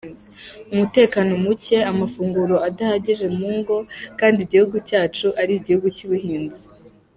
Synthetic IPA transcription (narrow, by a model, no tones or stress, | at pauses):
umute̞ːkano̞muce̞amafuːŋɡuɾo̞adahaɟiʒe̞muːŋɡo̞kaːndiɟihuɡucaːt͡ʃuʔaɾiɟihuɡucuβuhiːnzi